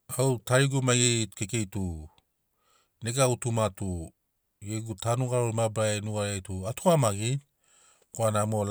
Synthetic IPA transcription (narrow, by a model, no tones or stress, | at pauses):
awtaɾiɡumajekeke̞jtu | neɡawtumatu | jeɡutanuɡaɾoimabɾaenuɡaɾejtuatʰuamaɡin | koanamol